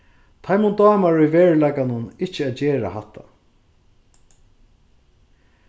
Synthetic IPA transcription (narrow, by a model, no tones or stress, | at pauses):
t̪ʰajmunt̪ɑːmaɹʊjveːɹlakanʊnɪht͡ʃɪaːt̪t͡ɕeːɾa̰hat̪ʰːa̰